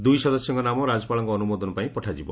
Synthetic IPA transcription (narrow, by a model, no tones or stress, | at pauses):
d̪ujsɔd̪ɔsɔŋkɔnamɔɾad͡ʒɔpaɭɔŋkɔːnumɔd̪ɔnɔpaĩpɔʈʰad͡ʒibɔ